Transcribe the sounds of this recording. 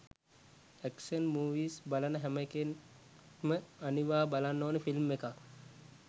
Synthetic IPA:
æksənmuːʋiːsbalənəɦæmeken | məaniʋaːbalanːoːnəfilmːeka

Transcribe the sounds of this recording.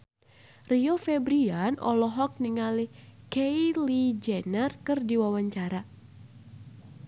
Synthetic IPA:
riofɛbɾianɔ̰lɔɦɔk̚niŋalikeilid͡ʒɛnərkɨrdiwawaɲt͡ʃaɾa

